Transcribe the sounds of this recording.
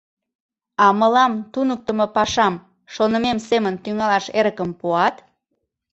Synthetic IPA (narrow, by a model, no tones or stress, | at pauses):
ɑməlɑmt̪unək̚t̪əmopɑʃɑm | ʃonə̆memsemənt̪yŋɑlɑʃeɾəkəmpuɑt̪